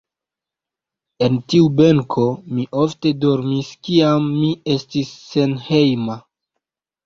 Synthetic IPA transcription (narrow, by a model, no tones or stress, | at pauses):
e̞ntiube̞ŋkʰo̞miʔo̞fte̞do̞ɾmiskiamːie̞stisːe̞nhe̞jma